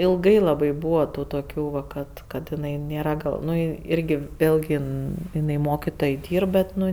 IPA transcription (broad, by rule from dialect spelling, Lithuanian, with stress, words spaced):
ɪlˠˈɡɐɪ lˠɐˈbɐɪ ˈbuːʋɐ ˈtuː toːˈkʲuː ˈʋɐ ˈkɐt ˈkɐt jɪˈnɐɪ ˈnʲeːrɐ ˈɡɐlˠ ˈnʊ ˈɪrʲɡʲɪ ˈʋʲeːlʲɡʲɪ ˈɪn ɪˈnɐɪ ˈmoːkʲɪtoːj ˈdʲiːrp bʲɛt ˈnʊ